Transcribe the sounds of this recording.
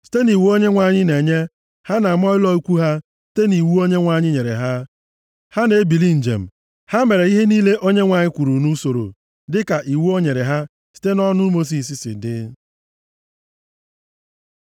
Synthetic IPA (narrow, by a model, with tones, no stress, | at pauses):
si̥˦te˦ni˨wu˦o˦ɲe˦ŋʷa˨ɲɪ˦ne˨ɲe˦ | ha˦na˨mɔ˦ɪ˦lɔ˦i˦kʷu˦ɦa˦ | si̥˦te˦ni˨wu˦o˦ɲe˦ŋʷa˨ɲɪ˦ɲe˨ɾḛ˨ɦa˦ | ha˦ne˨˦bi˨li˦n̩˨d͡ʒḛ˨m̩˨ | ha˦me˨ɾe˨i˦ɦe˦niː˦le˦ʔo˦ɲe˦ŋʷa˨ɲɪ˦kʷu˨ɾu˨nu˦so˨ɾo̰˨ | dɪ˦ka˨ʔi˨wu˦o˦ɲe˨ɾe˨ɦa˦ | si̥˦te˦nɔ˦nʊ˦mo˦s̬i˨s̬i˨sɪ̰˨dɪ̰˦